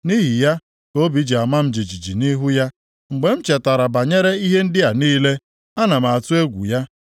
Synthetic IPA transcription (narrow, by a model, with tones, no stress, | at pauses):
ni˦ɦi˨ja˦ | ko˦bi˨˦d͡ʒi˨a˨ma˦m̩˦d͡ʒi˨d͡ʒi˨d͡ʒi˨ni˦ɦu˦ja˦ | ŋ͡m̩˨ɡ͡be˨m̩˦t͡ʃe˨ta˨ɾa˨ba˨ɲe˦ɾe˦i˦ɦe˦n̩˦dɪ˦a˨niː˦le˦ | a˦na˨ma˨a˨tʊ˦e˦ɡʷṵ˨ja˦